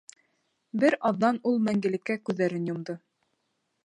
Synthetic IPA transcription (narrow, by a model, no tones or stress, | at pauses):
bɘɾɑðːɑnulˠmæŋɡɘ̆lɘ̆kːækʉðːæɾɘnjŏmd̪ɤ